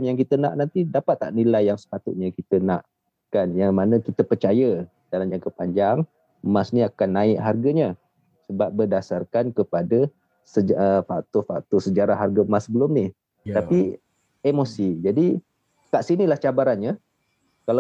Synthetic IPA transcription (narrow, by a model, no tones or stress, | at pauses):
mjaŋkit̪əna̰ʔnant̪idapat̪ːa̰ʔnilajːaŋsə̥pat̪ʊt̪̚ɲakit̪əna̰ʔ | kanjaŋmanəkit̪əpərt͡ʃajə | dalaɲd͡ʒaŋkəpaɲd͡ʒaŋ | masniakanːaɪʔɦarɡəɲə | səbap̚bərdasarkankəpadə | səəfat̪ofak̚t̪osəd͡ʒaɾahɦarɡəmasːəbəlʊmnih | t̪api | emosid͡ʒadi | kaʔsinilaht͡ʃabaɾanɲə | kala